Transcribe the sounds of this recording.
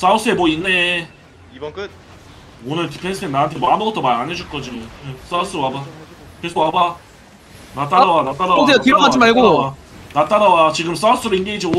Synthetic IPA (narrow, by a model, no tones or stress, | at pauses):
s͈aos͈ɯe̞moinːe | iɯ | onɯɭtʰipʰens͈ʰɯtʰenaɦantʰemaɦamʌɡʌtʰʌmaɾaned͡ʑʰuɭk͈ʌd͡ʑios͈aos͈ɯwaba | kesʰowaba | nat͈aɾawanat͈aɾatetiɾʌŋɦad͡ʑimaɭɡo | nat͈aɾawat͡ɕiɡɯms͈aos͈ɯɾoinɡeid͡ʑio